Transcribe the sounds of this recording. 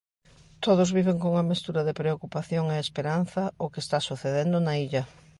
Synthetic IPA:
t̪oðʊzβiβ̞eŋkoŋɐmist̪uɾɐðepɾeokupaθjoŋeespeɾan̟θɐʊkest̪asuθeðend̪ʊnaiʎɐ

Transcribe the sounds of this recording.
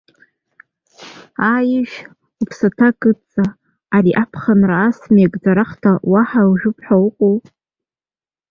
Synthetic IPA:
ajɪʒʷᶣ | upʰsatʰakʼɨt͡sʼaː | ɾiʔapʰχanraːsmekʼd͡zaɾaχtʰawaħawuʒʷᶣʊpʰħawʊqʷʼow

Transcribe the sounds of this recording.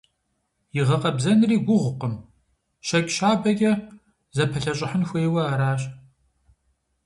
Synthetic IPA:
jɪʁɐqʼɐbzɐnriːɡʷʊʁʷʊqəm | ʃɐkʲʼɕaːbɐɡʲʼɐ | zɐpʰɐɬɐɕʼɪħənxʷeːwɐaːɾaːɕʼ

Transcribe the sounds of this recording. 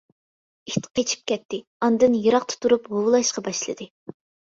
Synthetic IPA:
ikʲt̪ʰqʰet͡ʃʰi̥p̚kʲɛt̪ːɪɑnd̪ɨnjɨɾɑqt̪ʰʊ̥t̪uɾupʁowlˠɑʃqɑbɑʃlˠɨ̰d̪ɨ

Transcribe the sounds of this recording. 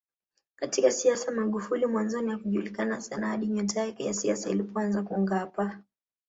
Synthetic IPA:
katikasiasamaɠufulimwanzɔniakuʄulikanasanahaɗiɲɔtaɛkɛjasiasailipɔanzakuŋɡapa

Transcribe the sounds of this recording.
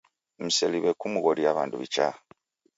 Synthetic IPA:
m̩seliβekumuɣoɾiaβa̰ːndṵβḭt͡ʃa

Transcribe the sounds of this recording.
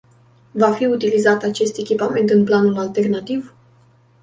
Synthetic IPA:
vafiut̪ilizat̪at͡ʃe̞st̪e̞kʲipame̞nt̪ɨnplanulalt̪e̞rnat̪iv

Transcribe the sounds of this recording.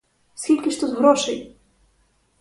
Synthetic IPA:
sxʲilʲkʲiʂt̪uzvɾɔʂɘj

